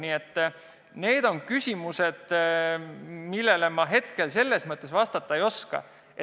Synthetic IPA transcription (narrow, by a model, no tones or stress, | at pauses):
nie̞t̪ː | ne̞ːd̪̥o̞nkysʲimuse̞d̪̥ | milːe̞lemɑɦe̞t̪ke̞lse̞lːe̞smɤt̪ˑːe̞svɑst̪ɑt̪ˑːɑejo̞skɑ̰ | e